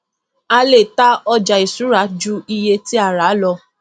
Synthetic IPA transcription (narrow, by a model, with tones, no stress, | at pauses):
a˧le˨ta˦ɔ˧d͡ʒa˨i˨su˨˦ɾa˨˦d͡ʒu˦i˧je˧ti˦a˦˨ɾa˨˦lɔ˧